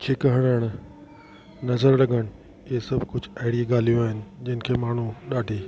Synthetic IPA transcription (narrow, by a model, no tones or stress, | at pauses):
kʰeːkɐɦəɽ̃əɽ̃ | nɐzəɾlɐɡʱəɽ̃ | eɦesɐbʱkʊd͡ʑʱɐɦɪɽieɡaːl̤ijoaːɦɪnɪ̆d͡ʑɐn̆kʰeːmaːɳ̤uɗaːɖʱiː